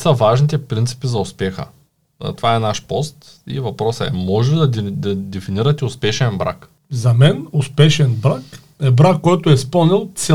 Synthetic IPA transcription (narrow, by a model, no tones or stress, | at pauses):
sɐvaʒnit̪ɛpɾint̪si̥pizɐʊspɛxə̰ | t̪ovaɛnaʃpɔst̪ | ḭvɐpɾɔsɐɛ̰mɔʒɛd̪ɐd̪ɐd̪ɛfiniɾɐt̪ɛʊspɛʃɛnbɾa̰k | zɐmɛnʊspɛʃɛnbɾak | ɛbɾakːɔjt̪ʊɛspɤlˠnilˠt̪sɛ